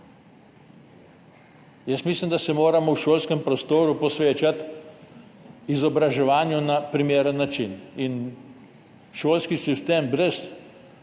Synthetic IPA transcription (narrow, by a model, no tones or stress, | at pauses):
jəsmislimd̪asɛmoːɾamɔwʃoːlskɛmpɾɔst̪oːɾupɔsʋeːt͡ʃat̪ | izɔbɾaʒɛʋaːnjunapɾimeːɾənːat͡ʃinin | ʃoːlskisist̪eːmbɾɛs